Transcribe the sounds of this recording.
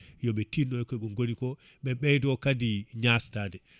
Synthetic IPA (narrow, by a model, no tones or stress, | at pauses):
jɔɓɛtinːɔjkɔɓɛŋɡonikɔ | ɓɛɓɛjdɔkadiɲastaːdɛ